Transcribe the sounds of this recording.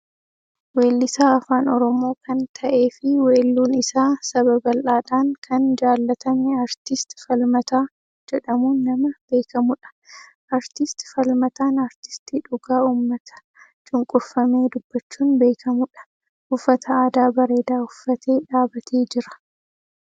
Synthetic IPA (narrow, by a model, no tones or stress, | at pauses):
we̞ːlːɪsaːɐfaːnɔɾɔmo̞ːkɐnt̪ʰɐʔe̞ːfɪweːlːuːnɪsaːsɐbɐbɐlʔaːᶑaːŋkʰɐnd͡ʒaːlːɐt̪ɐmeɐɾt̪ɪst̪ɪ̥fɐlmɐt̪aː | d͡ʒɛᶑɐmuːnːɐmɐb̥e̞ːkʰɐmʊᶑɐ̥ | ʔɐɾt̪ɪst̪ɪ̥fɐlmɐt̪aːnɐɾt̪ɪ̥st̪iːᶑʊɡaːuːmːɐt̪ʰɐ̥ | t͡ʃʼʊŋkʼʊfːɐme̞ːd̪ʊb̥ːɐt͡ʃːuːnbe̞ːkʰɐmʊᶑɐ̥ | ʊfːɐt̪ʰɐaːd̪aːbɐɾe̞ːd̪aːʊfːɐt̪ʰe̞ːᶑaːbɐt̪ʰe̞ːd͡ʒɪɾɐ̥